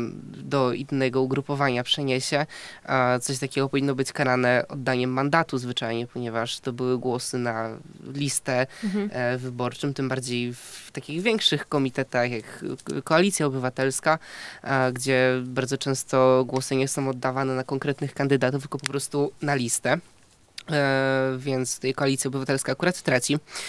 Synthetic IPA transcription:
d̪ɔinːɛɡɔuɡɾupɔvaɲapʂɛɲeɕɛ | t̪sɔɕt̪akʲɛɡɔpɔvʲinːɔbɘt͡ɕkaɾanɛɔd̪ːaɲɛmːand̪at̪uzvɘt͡ʂajɲɛpɔɲɛvaʂt̪ɔbɘwɘɡwɔsɘnalʲist̪ɛ | vɘbɔɾt͡ʂɘmt̪ɘmbaɾd͡ʑejft̪akʲiɣvʲjɛŋkʂɘxkɔmʲit̪ɛt̪axjakkɔalʲit̪sʲjaɔbɘvat̪ɛlska | ɡd͡ʑɛbaɾd̪zɔt͡ʂɛ̃w̃st̪ɔɡwɔsɘɲɛsɔ̃w̃ɔd̪ːavanɛnakɔŋkɾɛt̪nɘxkand̪ɘd̪at̪uft̪lkɔpɔpɾɔst̪unalʲist̪ɛ | vʲjɛnt̪st̪ɛjkɔalʲit̪sʲjɔbɘvat̪ɛlskaːkuɾat̪t̪ːɾat͡ɕi

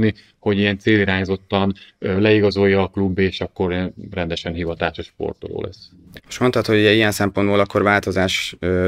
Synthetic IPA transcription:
ni | ho̞ɟijɛnt̪seːliɾaːɲzo̞t̪ːɒnlɛiɡɒzo̞jːɒːklubːeːʃɒkːo̞rrɛnd̪ɛʃɛnɦivɒt̪aːʃoʃpo̞̰rt̪o̞̰lo̰ːlʔɛ̰s | moʃmo̞nt̪ɒt̪hoɟuɟɛijɛnsɛmpo̞nd̪boːlɒkːoɾvaːlt̪o̞zaːʃ

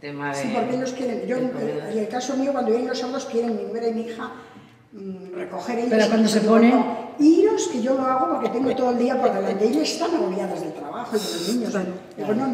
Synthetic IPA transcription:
sipoɾkeeʎo̞skjeɾeŋd͡ʒoelkaso̞miokwand̪ojelosoɾðoskje̞ɾeŋmĩnueɾaimiixa | reko̞xe̞ɾeʎoeɾswand̪oseponoiʎoske̞ʝoloaɣopo̞ɾket̪eŋɡot̪oðoeld̪iapoɾðeland̪eeʎoest̪aneɣoβjaðozðelt̪ɾaβaxoiðeloznĩɲos | epono

